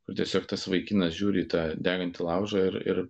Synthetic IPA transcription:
kʊrt̪ʲiɛsʲoːkt̪ɐsʋɐɪkʲiːnɐsʒʲuːɾʲiːt̪ɑːd̪ʲæːɡɐnʲt̪ʲɪlˠɐʊʒɐɪɾɪ̰ɾ

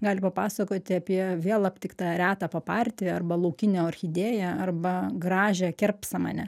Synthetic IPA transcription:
ɡɑːlʲɪpɐpɑːsɐkoːt̪ʲɪɐpʲiɛʋʲeɛlˠɐpʲt̪ʲɪkt̪ɑːɾʲæːt̪ɑːpɐpɑːrʲt̪ʲɪɐrbɐlˠɐʊkʲɪnʲɛːɐrʲxʲɪd̪ʲeːjɛɐrbɐɡɾɑːʒʲɛːkʲɛrpsɐmɑ̰ːnʲɛ

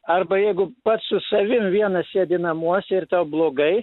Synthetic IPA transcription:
ɐrbɐjɛɪɡʊpɐt̪ssʊsɐʋʲɪmʋʲiɛnɐsʲeɛd̪ʲɪnɐmuɔsʲɛɪrt̪ɑʊblˠoːɡɐɪ

